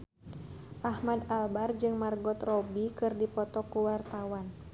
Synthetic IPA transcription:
ʔahmadalbard͡ʒɨŋmarɡɔt̪rɔbikɨrdipɔt̪ɔkuwart̪awan

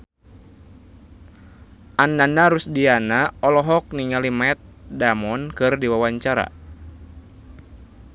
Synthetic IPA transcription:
ʔanːanaɾusdianaɔlɔɦɔk̚niŋalimaɛt̪̚damɔnkɨrdiwawaɲt͡ʃaɾa̰

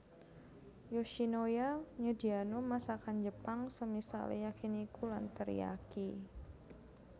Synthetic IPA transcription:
joʃinojaɲudianomasakand͡ʒəpaŋsəmisa̰ljakinikulant̪əɾ̰ja̰ki

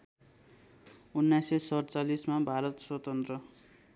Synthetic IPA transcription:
unːajsesʌɽt͡salismabʱaɾʌt̪swʌt̪ʌnt̪rʌ

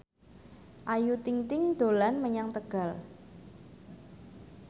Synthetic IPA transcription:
ʔajut̪iŋt̪ɪŋd̪̥o̤lanməɲaŋt̪əɡ̥a̤l

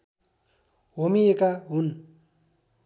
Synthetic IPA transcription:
womiekaɦun

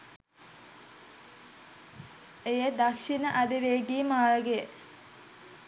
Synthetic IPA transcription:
ejəd̪akʃinəʔɐd̪iʋeːɡiːmaːləɡeə

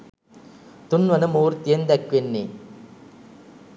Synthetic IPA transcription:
t̪ʊnʋɐnɯmuːɾt̪ijɐnd̪ɐkʋenːi

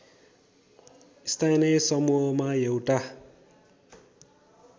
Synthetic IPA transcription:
ist̪ʰajnʌsʌmuɦʌmaewʈa

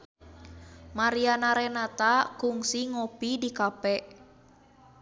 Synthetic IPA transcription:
maɾianaɾɛnat̪akuŋsiŋɔpidikapɛʔ

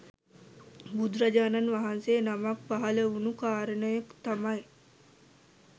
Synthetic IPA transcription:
bud̪ɾad͡ʒaːnanʋaɦanseːnamak̚paɦɐləunukaːɾənəjekt̪amaj

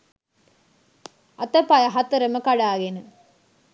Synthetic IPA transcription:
ɐt̪ɐpːɐjɐɦɐt̪ːɐɾɐmɐkɐɽaːɡenɨ

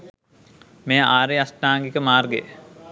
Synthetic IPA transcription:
meːaːɾeasʈaːŋɡikəmaːrɡḛ

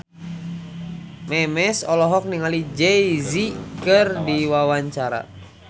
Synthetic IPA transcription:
mɛmɛsɔlɔɦɔk̚niŋalid͡ʒɛizikɨrdiwawaɲt͡ʃaɾa̰

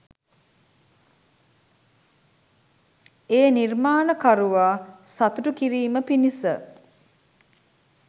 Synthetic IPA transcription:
eːnirmaːnəkaɾuʋaːsat̪uʈukiɾiːməpinisə

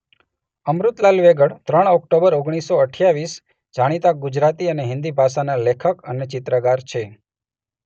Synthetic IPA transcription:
əmɾut̪lalʋeɡəɽt̪ɾəɳ̃ɔkʈobəɾoɡɽ̃isːoəʈʰjaʋis | d͡ʒaɽ̃it̪aɡud͡ʒɾat̪iəneɦɪ̃nd̪ibʱasanalekʰəkənet͡ʃɪt̪ɾəɡaɾt͡ʃʰe

